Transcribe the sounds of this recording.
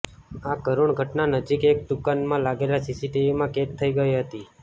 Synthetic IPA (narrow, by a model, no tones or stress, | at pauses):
akəɾuɳɡʱəʈnanəd͡ʒikek̚ɖ̪ukanmãlaɡelasisiʈiʋimãket̪ʰːəiɡəiɦət̪i